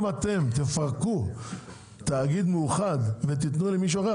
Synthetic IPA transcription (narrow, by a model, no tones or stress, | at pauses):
mat̪e̞mt̪efaʁku | t̪aːɡid̪mejuχad̪vet̪̬it̪nulemiʃ̬uaʁe